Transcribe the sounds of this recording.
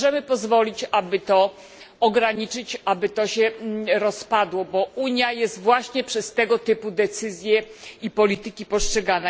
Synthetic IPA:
ʐɛmɘpɔzvɔlʲit͡ɕabɘt̪ɔ | ɔɡɾaɲit͡ʂɘt͡ɕabɘt̪ɔɕɛɾɔspad̪wɔbɔuɲjajɛst̪vwaɕɲɛpʂɛst̪ɛɡɔt̪ɘpud̪ɛt̪sɘzʲjɛipɔlʲit̪ɘkʲipɔstʂɛɡanɛ

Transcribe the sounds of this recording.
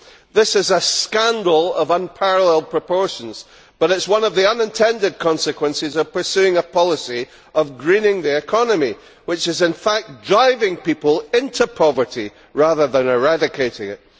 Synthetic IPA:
ðɪsɪzəskãndl̩ˠəvə̃npʰaɹəlˠɛl̚ˠpʰɹ̥əpʰɔɹʃə̃n̩z̥ | b̥ʌɾɪtswʌ̃nʌvðiʌ̃nɨ̃ntʰɛ̃ndɪd̚kʰɔ̃nsɨkʰwə̃nsɪzəv̥pʰə˞sʉɪ̃ŋəpʰɔlˠɪsi | əvɡɹĩnɪ̃ŋðiɪkʰɔnəmi | wɪt͡ʃɨzɪ̃nfak̚dɹaɪvɪ̃ŋpipəlˠɪ̃ntʰʉpʰɔvə˞ʔi | ɹaðə˞ðə̃nɪɹadɪkʰeɪʔɪ̰̃ŋɪ̰ʔ

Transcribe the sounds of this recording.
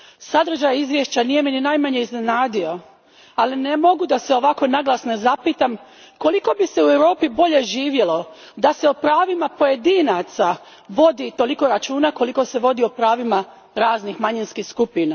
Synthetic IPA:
sad̪r̩ʒajizʋjeʃt͡ɕanije̞mininajmaɲe̞izne̞naːd̪io̞ | aline̞mo̞ɡud̪aseo̞ʋako̞naɡlˠasnezapiːt̪am | ko̞liko̞bise̞uewɾo̞ːpibo̞ʎe̞ʒiːʋjelˠo̞ | d̪ase̞opɾaːʋimapo̞je̞d̪inat̪sa | ʋo̞d̪it̪o̞liko̞ɾat͡ʃuːnako̞liko̞se̞ʋo̞d̪iopɾaːʋima | ɾaːznixmaɲinskixskupina

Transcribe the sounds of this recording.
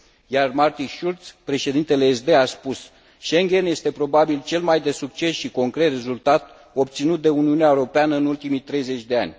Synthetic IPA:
jarmart̪inʃult̪spɾe̞ʃe̞d̪int̪e̞le̞ːsd̪e̞aspus | ʃe̞ŋɡʲe̞nje̞st̪e̞pɾo̞babilt͡ʃe̞lmajd̪e̞suk̚t͡ʃe̞sʃiko̞ŋkɾe̞t̪re̞zult̪at̪ | o̞b̚t̪sinut̪̚d̪e̞uniuneaeuɾo̞peanəɨnult̪imit̪ɾe̞jze̞t͡ʃʲd̪e̞a̰nʲ

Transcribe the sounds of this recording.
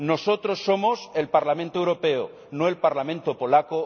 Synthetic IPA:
no̞so̞t̪ɾo̞sːo̞mo̞se̞lpaɾlamẽnt̪oewɾope̞o | noe̞lpaɾlamẽnt̪opo̞lako

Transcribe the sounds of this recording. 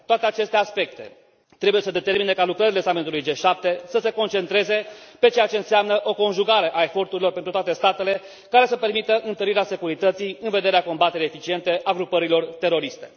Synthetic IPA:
t̪oat̪eat͡ʃe̞st̪e̞aspe̞k̚t̪e̞̰ | t̪ɾe̞buje̞səd̪e̞t̪e̞rmine̞kalukɾəɾilesamet̪ulujd͡ʒe̞ʃap̚t̪e̞səse̞ko̞nt͡ʃe̞nt̪ɾe̞ze̞pe̞t͡ʃe̞jat͡ʃe̞ɨnseamnəʔo̞ko̞nʒuɡaɾe̞ʔae̞fo̞rt̪uɾilo̞rpent̪ɾut̪oat̪e̞st̪at̪e̞le̞ | kaɾe̞səpe̞rmit̪əʔɨnt̪əɾiɾease̞kuɾit̪ət̪sijɨnve̞d̪e̞ɾeako̞mbat̪eɾeefit͡ʃie̞nt̪e̞ʔaɡɾupəɾilo̞rt̪e̞ɾo̞ɾist̪e̞

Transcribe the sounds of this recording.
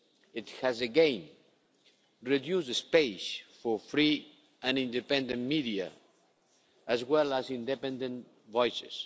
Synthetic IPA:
ɪt̪hæzɨɡɛ̃n | ɹidjusdspesfɔɹfɾi | ãnĩnd̪ɨpɛ̃nd̪ə̃nmidia̰ | ʔːzwɛlazĩnd̪ɛpɛ̃nd̪ə̃n | vɔjsɪ̰s

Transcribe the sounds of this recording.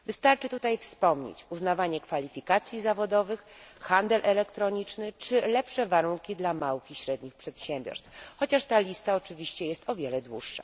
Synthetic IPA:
vɘst̪aɾt͡ʂɘt̪ut̪ajfspɔmɲḛt͡ɕuznavaɲɛkfalʲifʲikat̪sʲjizavɔd̪ɔvɘxxand̪ɛlʔɛlɛkt̪ɾɔɲit͡ʂnɘt͡ʂɘlɛpʂɛvaɾuŋkʲid̪lamawɘxiɕɾɛd̪ɲixpʂɛt̪ɕɛmʲbʲjɔ̰ɾst̪fxɔt͡ɕaʂt̪alʲist̪aɔt͡ʂɘvʲiɕt͡ɕɛjɛst̪ɔvʲjɛlɛd̪wuʂːa̰

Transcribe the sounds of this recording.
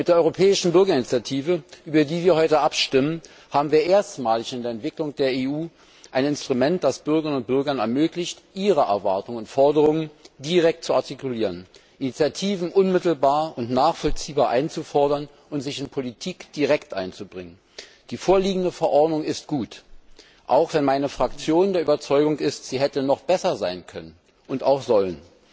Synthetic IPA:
mɪtd̥eːɐɔʏʁopʰɛːɪʃn̩bʏɐɡɐɪnit͡sjatʰiːvəʔyːbɐdiːviːɐhɔʏtəʔapʃtɪmən | haːbm̩viːɐʔeːɐstmaːlɪçɪndeːɐɛntv̥ɪklʊŋd̥eːɐeːuː | ʔaɪnɪnstʁ̥umɛnt̚d̥asb̥ʏɐɡəʁənʊnt̚b̥ʏɐɡɐnɛ̰ɐmøːklɪçtʔiːʁəʔɛ̰ɐvaɐtʊŋəʊntfɔɐdəʁ̞ʊŋəndiʁɛk̚t̚t͡suaɐtikuliːʁənʔinit͡sjatʰiːvn̩ʔʊnmɪtl̩baːɐʊntnaːχfɔlt͡siːbaːɐʔaɪnt͡sufɔɐdɐn | ʊntz̥ɪçɪnpʰolitʰiːkd̥iʁɛktʔa̰ɪnt͡subʁɪŋən | d̥iːfoːɐliːɡŋ̩dəfɛɐʔɔɐdnʊŋɪst̚ɡ̥uːt | ʔaʊxv̥ɛnmaɪnəfʁ̥akt͡sjoːndeːɐʔyːbɐt͡sɔʏɡʊŋɪstz̥iːɦɛtənɔχb̥ɛsɐzaɪnkʰœnən | ʔʊntaʊxz̥ɔlən

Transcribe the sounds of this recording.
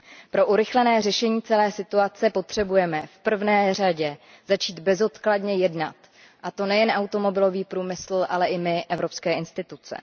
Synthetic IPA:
pɾo̞ʔuɾɪxlɛnɛːrɛʃɛɲiːt͡sɛlɛːsɪt̪uat͡sɛpo̞t̪r̥ɛbujɛmɛfpr̩vnɛːr̝aɟɛ | zat͡ʃiːd̪bɛzo̞t̪kladɲɛjɛdna̰t̪ | ʔat̪o̞nɛjɛnʔawt̪o̞mo̞bɪlo̞viːpɾuːmɪsl̩ʔalɛʔɪmɪʔɛvɾo̞pskɛːʔɪnst̪ɪt̪ut͡sɛ̰

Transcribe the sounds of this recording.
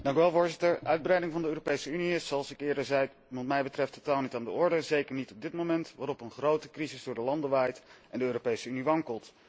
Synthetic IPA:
dɑŋkyʋɛlˠvʊːɹzɪtəɹʔœɥd̚brɛjdɪŋvɑndəøːropejsəyniɪsoɑlˠsɪkɪːɹdəzɛj | ʋɑntmɛjbətrɛftotaːlˠnitaːndəɔɹdəzejkəɹnitɔb̚dɪtmomɛntʋaːɾɔpənχrowtəkrizɪzdʊːɹdəlɑndəʋaːjtʔɛndəøːropejsəyniʋɑŋkəlˠt

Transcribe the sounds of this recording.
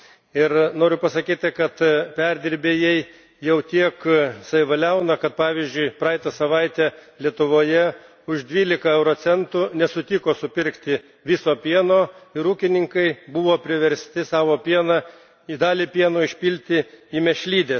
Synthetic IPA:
ɪɾnoːɾʲʊpɐsɐkʲiːt̪ʲɪkɐt̪pʲɛɾʲd̪ʲɪɾʲbʲeːjɛɪ | jɛʊt̪ʲiɛksɐʋʲɪʋɐlʲɛʊnɐkɐt̪̚pɑːʋʲizʲd͡ʒʲʊɪpɾɑːjt̪ɐsɐʋɐɪt̪ʲeːlʲiɛt̪ʊʋoːjɛ | ʊʒd̪ʲʋʲiːlʲɪkɐɛʊɾoːsʲɛnt̪ʊnʲɛsʊt̪ʲɪkoːsʊpʲɪɾkt̪ʲɪ | ʋʲɪsoːpʲiɛnoːɪɾuːkʲɪnʲɪŋkɐɪbʊʋoːpʲɾʲɪʋʲɛɾʲsʲt̪ʲɪsɑːʋoːpʲiɛnɐ | id̪ɑːlʲipʲiɛnoːɪʃʲpʲilʲt̪ʲɪimʲɛʃʲlʲiːd̪ʲeː

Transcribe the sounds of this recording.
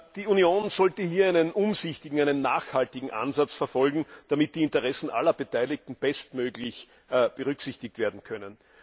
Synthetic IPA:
d̥iːunjoːnz̥ɔltəhiːɐæɪnənʔʊmzɪçtɪɡŋ̩æɪnənːaːxhaltɪɡŋ̩ʔã̰nzat͡sfɛɐfɔlɡŋ̩d̥amɪt̚d̥iːɪntəʁɛsn̩ʔa̰lɐb̥ətʰæɪlɪk̚tn̩b̥ɛstmøːɡlɪç | b̥əʁʏksɪçtɪk̚tv̥eːɐdn̩kʰœnən

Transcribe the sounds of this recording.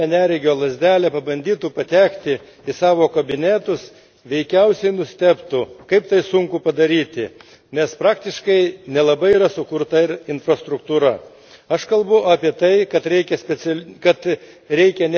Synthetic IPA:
ɛnʲæːɾʲɪɡʲoːlˠɐzʲd̪ʲæːlʲɛpɐbɐnʲd̪ʲiːt̪uːpɐt̪ʲæːkt̪ʲɪ | ɪsɑːʋoːkɐbʲɪnʲæːt̪ʊs | ʋʲɛɪkʲɛʊsʲɛɪnʊsʲt̪ʲæːpt̪ukɐɪpt̪ɐɪsʊŋkʊpɐd̪ɐɾʲiːt̪ʲɪ | nʲɛspɾɑːkt̪ʲɪʃkɐɪnʲɛlˠɐbɐɪiːɾɐsʊkʊɾt̪ɐɪɾɪnfɾɐst̪ɾʊkt̪uːɾɐ | ɐʃkɐlˠbʊʔɑːpʲiɛt̪ɐɪkɐt̪ɾʲɛɪkʲɛsʲpʲɛsʲɛkɐt̪ | ɾʲɛɪkʲɛnʲ

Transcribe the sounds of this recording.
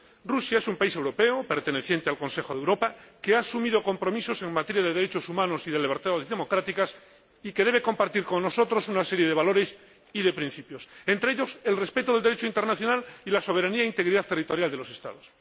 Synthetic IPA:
rusjaesumpaise̞wɾo̞pe̞ope̞ɾt̪e̞ne̞θje̞nt̪ealko̞nsexo̞ðewɾo̞pakeasumiðo̞ko̞mpɾo̞miso̞se̞ŋmat̪eɾjaðe̞ðe̞ɾet͡ʃo̞sumãno̞siðeleβeɾt̪aðzðemo̞kɾat̪ikas | ike̞ðe̞β̞eko̞mpaɾt̪iɾko̞nnːo̞so̞t̪ɾo̞sunase̞ɾje̞ðe̞βalo̞ɾe̞s | iðe̞pɾin̟θipjo̞se̞nt̪ɾe̞eʎo̞se̞lre̞spe̞t̪oðld̪eɾet͡ʃoint̪e̞ɾnaθjo̞nalilaso̞β̞eɾaniaeint̪e̞ɣɾiðaðt̪erit̪o̞ɾjald̪e̞lose̞st̪a̰ð̞os

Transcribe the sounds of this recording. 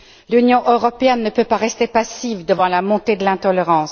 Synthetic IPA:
lynjɔ̃ʔøʁɔpeɛnːəpøpaʁɛst̪epasivd̪əvɑ̃lamɔ̃t̪ed̪əlɛ̃t̪ɔleʁɑ̃ːs

